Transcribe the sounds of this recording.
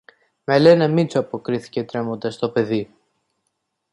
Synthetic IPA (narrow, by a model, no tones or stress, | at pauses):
mele̞nɐmit͡soɐpo̞kɾiθi̥ce̞t̪ɾe̞mond̪ɐst̪o̞pe̞ði